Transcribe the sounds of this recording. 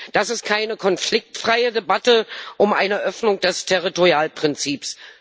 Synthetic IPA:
d̥asɪst̚kʰaɪnəkʰɔnflɪk̚tfʁ̥aɪədebatəʔʊmʔaɪnəʔœfnʊŋd̥ɛstʰɛʁitoʁjaːlpʁ̥ɪnt͡siːps

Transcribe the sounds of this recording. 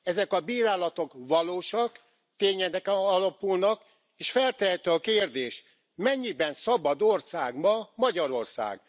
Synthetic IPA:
ɛzɛkɒbiːɾaːlɒt̪o̞kʋɒloːʃɒk | t̪eːɲɛd̪ɛkɒlɒpulnɒk | eːʃfɛlt̪ɛɦɛt̪øɒkeːrd̪eːʃ | mɛɲːibɛnsɒbɒd̪orsaːɡmɒmɒɟɒɾo̞rsa̰ːɡ̥

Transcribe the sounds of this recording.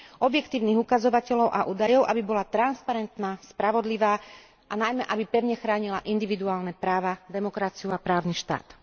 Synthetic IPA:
ʔɔbjɛkt̪iːʊniːɣukazɔʋacɛʎɔʊʔaʔuːd̪ajɔʊʔa̰bibɔlat̪ɾanspaɾɛnt̪naːspɾaʋɔd̪liʋaː | ʔanajmɛʔabipɛʊɲɛxɾaːɲilaʔind̪iʋid̪uaːlnɛpɾaːʋad̪ɛmɔkɾat͡siuapɾaːʊniʃt̪a̰ːt̪

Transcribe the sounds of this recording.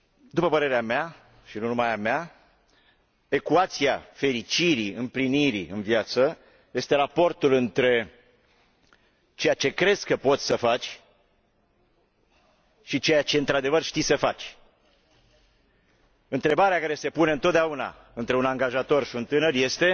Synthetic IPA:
d̪upəpəɾe̞ɾeamea | ʃinunumajamea | e̞kuat̪siafe̞ɾit͡ʃiɾiɨmpliniɾḭɨnvjat̪sə | je̞st̪e̞ɾapo̞rt̪ulɨnt̪ɾe̞ | t͡ʃejat͡ʃe̞kɾe̞skːəpo̞t̪sʲsəfat͡ʃʲ | ʃit͡ʃe̞jat͡ʃe̞ɨnt̪ɾad̪e̞vərʃt̪isəfat͡ʃʲ | ɨnt̪ɾe̞baɾeakaɾe̞se̞puneɨnt̪ot̪d̪auna̰ | ɨnt̪ɾe̞unaŋɡaʒat̪o̞rʃiunt̪ɨnərje̞st̪e̞

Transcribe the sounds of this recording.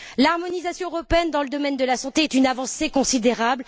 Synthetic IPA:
laʁmɔnizasjɔ̃øʁɔpeɛnd̪ɑ̃ləd̪ɔmɛnd̪əlasɑ̃t̪eɛt̪ynavɑ̃sekɔ̃sid̪eʁabl

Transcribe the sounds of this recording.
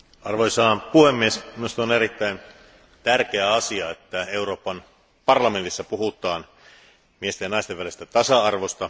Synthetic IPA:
ɑrʋojsɑːnpuhemːiesminust̪ɑoneɾit̪ːæin | t̪ærk̟eæɑsiɑet̪ːæeuro̞ːpːɑn | pɑrlɑment̪isːæpuɦut̪ˑɑːn | miest̪æjɑnɑˑist̪eʋælest̪æt̪ɑsɑɑrʋost̪ɑ

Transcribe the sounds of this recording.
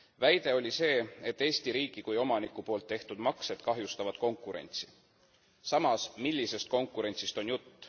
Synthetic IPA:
væjd̪e̞o̞lʲise̞ːe̞t̪ːˑe̞ːst̪iɾiːɡ̥ikujo̞mɑnikːupo̞ːlt̪ːe̞ht̪ud̪mɑkse̞d̪̥kɑɦjust̪ɑvɑd̪̥ko̞ŋkːuɾe̞̰nʲt̪si̥ | sɑmɑsmilʲːise̞st̪̚ko̞ŋkːˑuɾe̞nʲt̪sist̪o̞njut̪ˑː

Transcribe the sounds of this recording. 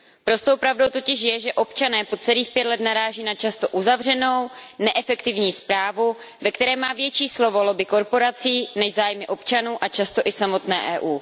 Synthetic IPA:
pɾo̞st̪owpɾavdo̞wt̪o̞cɪʃ̬jɛʒɛʔo̞pt͡ʃanɛːpo̞t͡sɛliːxpjɛt̪lɛt̪naɾaːʒiːnat͡ʃast̪o̞ʔuzavr̝ɛno̞wnɛʔɛfɛkt̪ɪvɲiːspɾaːvu | vɛkt̪ɛɾɛːmaːvjɛt͡ʃiːslo̞vo̞lobɪko̞ɾpo̞ɾat͡siːnɛʒzaːjmɪʔo̞pt͡ʃanuːʔat͡ʃast̪o̞ʔɪsamo̞t̪nɛ̰ːʔɛːʔuː

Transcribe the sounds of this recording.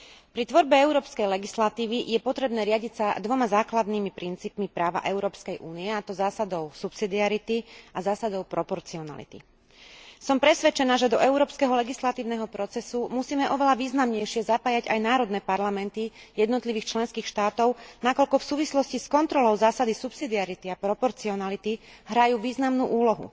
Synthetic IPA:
pɾit̪ʋɔɾbɛɛʊɾɔːpskɛjlɛɡislat̪iːʋijɛpɔt̪ɾɛbnɛːɾɪaɟicsad̪ʋɔmazaːklad̪niːmipɾint͡siːpmipɾaːʋa̰ʔɛʊɾɔːpskɛjʔuːniɛat̪ɔzaːsad̪ɔʊsupsid̪iaɾit̪iazaːsad̪ɔʊpɾɔpɔɾt͡siɔna̰lḭt̪ḭ | sɔmpɾɛsʋɛt͡ʃɛnaːʒɛd̪ɔʔɛʊɾɔːpskɛɦɔlɛɡislat̪iːʊnɛɦɔpɾɔt͡sɛsumusiːmɛʔɔʋɛlaʋiːznamɲɛjʃɪɛzapaːjaɟa̰jnaːɾɔd̪nɛːpaɾlamɛnt̪ijɛd̪nɔt̪liʋiːxt͡ʃlɛnskiːxʃt̪aːt̪ɔʊnakɔlkɔfsuːʋislɔsciskɔnt̪ɾɔlɔʊzaːsad̪isupsid̪iaɾit̪iapɾɔpɔɾt͡siɔnalit̪iɦɾajuːʋiːznamnuːʔuːlɔɦṵ

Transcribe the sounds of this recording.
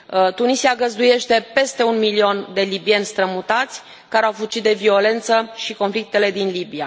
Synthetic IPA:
t̪unisiaɡəzd̪uje̞ʃt̪e̞pe̞st̪e̞unmilio̞nd̪e̞libie̞nʲst̪ɾəmut̪at̪sʲ | kaɾeawfut͡ʃit̪̚d̪e̞vio̞le̞nt̪səʃiko̞nflik̚t̪e̞le̞d̪inlibia̰

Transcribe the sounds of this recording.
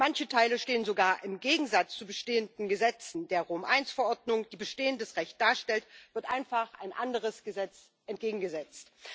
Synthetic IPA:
mançətʰaɪləʃteːənzoɡaːɐʔɪmɡeːɡŋ̩zat͡st͡subəʃteːəndn̩ɡəzɛt͡sn̩deːɐʁoːmʔaɪnsfɛɐʔɔɐdnʊŋd̥iːbəʃteːəndəsʁɛçt̚d̥aːɐʃtɛltv̥ɪɐtʔaɪnfaχʔa̰ɪnʔandəʁ̞əsɡ̥əzɛt͡s | ʔɛnt̚ɡ̥eːɡŋ̩ɡəzɛt͡st

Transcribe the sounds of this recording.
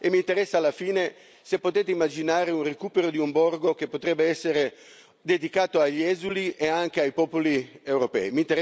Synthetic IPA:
emːiːnt̪eɾɛsːaːlːafiːne | sepːot̪eːt̪eimːad͡ʒinaːɾeunrekuːpeɾod̪iumbɔrɡok̟epːot̪ɾɛbːeɛsːeɾe | d̪ed̪ikaːt̪oaʎːɛːzuliʔeaŋk̟eajpɔːpoliewɾopɛ̰ːimiːnt̪eɾ

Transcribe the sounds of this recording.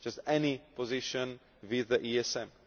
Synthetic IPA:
d͡ʒ̥astɛnipʰɔzɪʃə̃n | wiðəʔiɛsɛ̃m

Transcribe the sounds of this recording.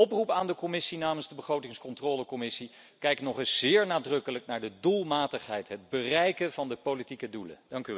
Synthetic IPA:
ɔprupaːndəkɔmɪsinaːmənzdəbəχrowtɪŋskɔntrɔːləkɔmɪsi | kɛjknɔχɪsz̥ɪːɹnaːdrɵkələknaːɹdədulˠmaːtəχɦɛjtɦəd̚bərɛjkənvɑndəpolitikədulə̰dɑŋky

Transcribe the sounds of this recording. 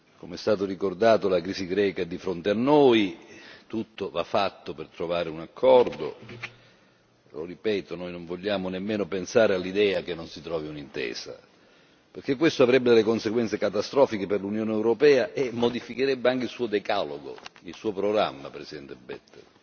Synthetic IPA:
komeɛst̪aːt̪orikord̪aːt̪olakɾiːsiɡɾɛːkad̪ifɾont̪eanːoːjt̪ut̪ːovafːat̪ːopert̪ɾovaːɾeunakʰːɔrd̪o̰ | loripɛːt̪onoːjnoɱvoʎːaːmonemːeːnopensaːɾealːid̪ɛːak̟enːonsit̪ɾɔːviunint̪ɛ̰ːsa̰ | perk̟ek̬ːwest̪oavɾɛbːed̪elːekonseɡwɛnt̪sekat̪ast̪ɾɔːfikeperlunjoːneɛwɾopɛːaʔemːod̪ifikeɾɛbːeaŋk̟eilsuːod̪ekaloɡo̰ilsuːopɾoɡɾa̰mːapɾesid̪ɛnt̪ebɛ̰t̪ːḛ

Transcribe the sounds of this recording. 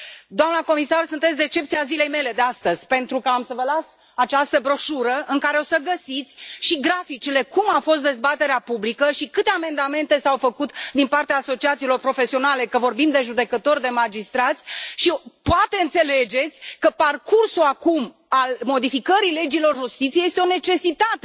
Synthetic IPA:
d̪oamnəko̞misarsunt̪esʲd̪e̞t͡ʃe̞p̚t̪siazile̞jme̞le̞d̪e̞ast̪əz̥ʲpe̞nt̪ɾukəamsəvəlas | at͡ʃast̪əbɾoʃuɾəʔɨŋkaɾe̞o̞səɡəsit̪sʲʃiɡɾafit͡ʃile̞kumawfo̞st̪̚d̪e̞zbat̪e̞ɾeapublikəʃikɨt̪e̞ame̞nd̪ame̞nt̪e̞sawfəkut̪d̪inpart̪eaːso̞t͡ʃiat̪siːlo̞rpɾo̞fe̞sio̞nale̞kəvo̞rbimd̪e̞ʒud̪e̞kət̪o̞rʲd̪e̞mad͡ʒist̪ɾat̪sʲʃipoat̪e̞ɨnt̪se̞le̞d͡ʒe̞t̪sʲkəparkursulakum | almo̞d̪ifikəɾile̞d͡ʒilo̞rʒust̪it̪siejest̪eo̞ne̞t͡ʃe̞sit̪at̪e

